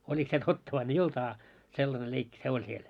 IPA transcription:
olʲik se totːɑ ʋɑin ei olt ɑː selːɑne leikːi se olʲ siel

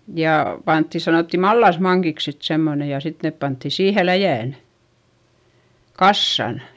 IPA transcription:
jɑˑ pɑntːi sɑnoˑtːi mɑlːɑsmɑŋkiks sit semːone jɑ sit nep pɑntːi siːhe læjæˑn kɑsːɑn

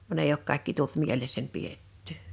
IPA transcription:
ʋɑn eˑi ok kɑˑekːi tult mielesːænʲ pietːẙˑ

